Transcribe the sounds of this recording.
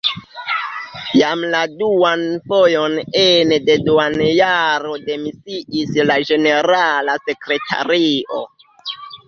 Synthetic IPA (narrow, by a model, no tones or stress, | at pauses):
jamladuanfojo̞nende̞duanjaɾo̞de̞misiʔislad͡ʒe̞ne̞ɾalase̞kɾe̞tʰa̰ɾiʔo̞̰